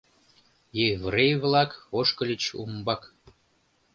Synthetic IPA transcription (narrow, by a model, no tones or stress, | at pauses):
jevrejvlɑkoʃkəlʲit͡ɕṵmbɑk